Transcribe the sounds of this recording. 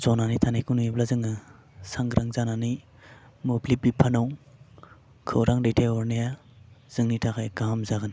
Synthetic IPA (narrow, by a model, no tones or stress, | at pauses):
zɔnanitʰanajkʰunujiblazɯŋɯ | saŋɡɾʔaŋzanani | mublibipʰanaw | kʰɯwɾaŋɾetʰeɔɾneja | z̥ɯŋnitʰakʰajɡaɦamzaɡɯn